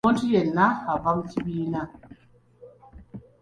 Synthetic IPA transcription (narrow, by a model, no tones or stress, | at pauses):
ɔntijɛnːahavamtibiːna